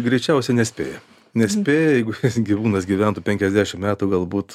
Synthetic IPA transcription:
ɡɾʲɛɪt͡ʃʲɛʊsʲɛnʲɛsʲpʲḛːjɛ | nʲɛsʲpʲeːjɛjɛɪɡʊjsɡʲiʋuːnɐsɡʲiʋʲɛnt̪ʊpʲɛŋʲkʲɛzʲd̪ʲæːʃʲɪmmʲæːt̪ʊɡɐlˠbuːt̪

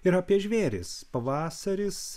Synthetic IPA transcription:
ɪɾɐːpʲiɛʒʲʋʲeːɾʲɪ̰spɐʋɑːsɐɾʲɪs

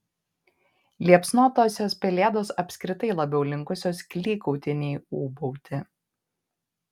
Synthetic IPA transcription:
lʲiɛpsnoːt̪oːsʲoːspʲɛlʲeːd̪oːsɐpʲsʲkɾʲɪt̪ɐɪlˠɐbʲɛʊlʲɪŋˑkʊsʲoːskʲlʲiːkɔʊt̪ʲɪnʲeɪuːbɔʊt̪ʲɪ

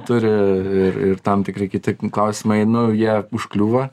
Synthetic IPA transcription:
t̪ʊɾʲɪɪrɪrt̪ɐmt̪ʲɪkɾɐɪkʲɪt̪ʲɪklˠɐʊsʲɪmɐɪnʊjiɛʊʃklʲuːʋɐ

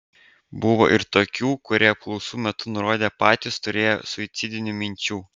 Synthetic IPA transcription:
bʊʋo̰ːʔɪɾt̪oːkʲuːkʊɾʲiɛɐp̚klˠɔʊsuːmʲɛt̪ʊnʊɾoːd̪ʲeːpɑːt̪ʲɪst̪ʊɾʲeːjo̰sʊɪt̪sʲɪd̪ʲɪnʲʊmʲɪnʲt͡ʃʲuː

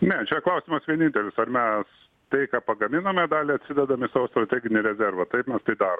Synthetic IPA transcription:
nʲɛt͡ʃʲɛklˠɐʊsʲɪmɐsʋʲiɛnʲɪnʲt̪ʲɛlʲɪsɐrmʲɛs | t̪ɐɪkɑːpɐɡɐmʲɪnɐmʲɛd̪ɑːlʲɪɐt̪ʲsʲɪd̪ʲɛd̪ɐmʲɪsɑːʋost̪rɐt̪ʲæːɡʲɪnʲɪɾʲɛzʲɛrʋɐt̪ɐɪpmʲɛst̪ɐɪd̪ɑːɾo

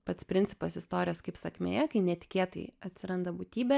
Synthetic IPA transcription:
pɐt̪spʲɾʲɪnʲtsʲɪ̥pɐsɪst̪oːɾʲɪjoːskɐɪpsɐkʲmʲḛjɛkɐɪnʲɛt̪ʲɪ̥kʲeːt̪ɐ̰ɪɐt̪ʲsʲɪɾɐnd̪ɐbuːt̪ʲiːbʲɛ

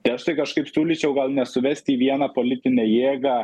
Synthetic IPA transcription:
t̪ɪɐʃt̪ɐɪkɐʃkɐɪpsʲuːlʲɪt͡ʃʲɛʊɡɐlˠnʲɛsʊʋʲɛsʲt̪ʲiːʋʲiɛnɐpolʲɪt̪ʲɪnʲɛjeːɡɐ

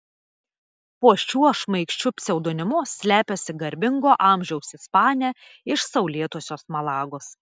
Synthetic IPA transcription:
puɔʃʲuɔʃmɐɪkʃʲt͡ʃʲʊpʲsʲɛʊd̪oːnʲɪmʊsʲlʲæːpʲoːsʲɪɡɐɾʲbʲɪŋɡoːʔɑːˑmʲʒʲɛʊsɪspɑːnʲæː | ɪʃsɐʊlʲiɛt̪uɔsʲoːsmɐlˠɑːɡoːs

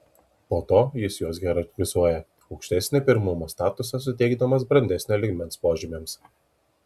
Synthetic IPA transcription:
poːt̪oːjɪsjuɔsɡʲɛɾɐʋʲɪzuɔjɛ | ɒʊkʃʲt̪ʲɛsʲnʲepʲɪɾmʊmoːst̪ɑːt̪ʊsɐs̬ʊt̪ʲɛɪɡd̪ɐmɐs̬bɾɐnʲd̪ʲɛsʲnʲeːlʲɪɡʲmʲɛnspoːʒʲɪmʲems

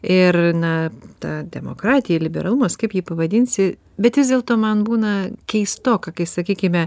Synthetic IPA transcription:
ɪrnɐt̪ɑːd̪ʲɛmo̰kɾɑːt̪ʲɪjɛlʲɪbʲɛ̰ɾɐlˠuːmoskɐɪpjiːpɐʋɐd̪ʲɪːnʲsʲɪ | bʲɛt̪ʋʲɪzd̪ʲeːlˠt̪oːmɐnbuːnɐkʲɛɪst̪oːkɐkɐɪsɐkʲiːkʲɪmʲɛ

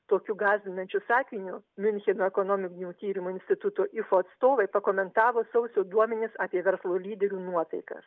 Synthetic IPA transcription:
t̪oːkʲuɡɑːzʲʋʲɪnɐnʲt͡ʃʲʊsɑːkʲɪnʲʊmʲʊnʲxʲɛnoːɛkoːnoːmʲɪknʲuːt̪ʲiːɾʲɪmoːɪnʲsʲt̪ʲɪt̪ʊt̪oːʔɪfoːɐt̪st̪oːʋɐɪpɐkoːmʲɛnt̪ɑːʋoːsɐʊsʲoːd̪uɔmʲɛnʲɪsɑːpʲiɛʋʲɛɾslˠoːlʲiːd̪ʲɛɾʲuːnuɔt̪ɐɪkɐ̰s

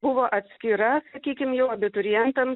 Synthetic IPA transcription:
bʊʋoːʔɐt̪ʲsʲkʲiːɾɐsɐkʲiːkʲɪmjɛʊɐbʲɪt̪ʊɾʲɪjɛnt̪ɐm

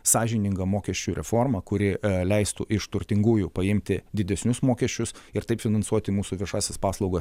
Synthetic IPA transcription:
sɑːʒʲɪnʲɪŋɡɐmoːkʲɛʃʲt͡ʃʲuːɾʲɛfoːrmɐkʊɾʲɪlʲɛɪst̪ʊʔɪʃt̪ʊɾʲt̪ʲɪŋɡuːjuːpɐɪmʲt̪ʲɪd̪ʲɪd̪ʲɛsʲnʲʊsmoːkʲɛʃʲt͡ʃʲʊsɪɾt̪ɐɪpfʲɪnɐnsuɔt̪ʲɪmuːsuʋʲiɛʃɑːsʲɛspɑːslˠɒʊɡɐs

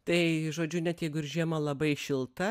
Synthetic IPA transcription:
t̪ɐɪʒoːd͡ʒʲʊnʲɛt̪jɛɪɡʊɪɾʒʲiɛmɐlˠɐbɐɪʃʲɪlˠt̪ɐ

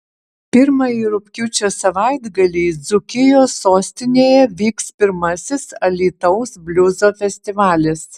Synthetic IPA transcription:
pʲɪɾmɐiːɾʊpʲkʲʊt͡ʃʲoːsɐʋɐˑɪd̪ɡɐlʲɛɪd̪zʊkʲɪjoːsoːsʲt̪ʲɪnʲeːjɛʋʲiːkspʲɪɾmɐsʲɪsɐlʲiːt̪ɐʊsbʲlʲʊzoːfʲɛsʲt̪ʲɪʋɑːlʲɪs

